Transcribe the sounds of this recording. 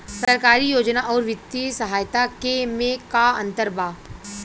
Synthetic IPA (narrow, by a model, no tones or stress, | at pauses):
sɐɾkaːɾijoːd͡ʒnaʔɔːɾʋɪt̪ːisɐɦaːjt̪akemẽkaɐ̰̃nt̪əɾbaː